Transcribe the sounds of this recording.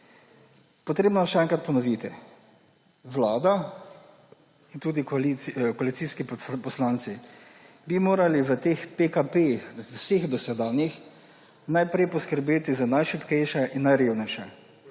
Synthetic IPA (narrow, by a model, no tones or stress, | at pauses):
pɔt̪ɾeːbnɔʃɛɛŋkɾat̪̚pɔnɔʋit̪ɛ | ʋlaːd̪a | int̪uːd̪iklikɔalit̪siskipɔslansi | bimoːɾaliʋət̪eːxpekapeixwseɣd̪ɔsɛd̪aːnjix | najpɾɛjpɔskəɾbeːt̪izanajʃipkɛjʃaʔinːajɾeːwnɛjʃa